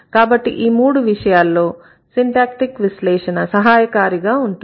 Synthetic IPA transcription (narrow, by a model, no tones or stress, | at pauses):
kaːbɐʈːiʔiːmuːɽuʋiʂɐjaːlːo̞ː | siɳʈaːk̚ʈikʋislɛːʂɐnɐsɐɦaːjɐkaːɾiɡaːuɳʈu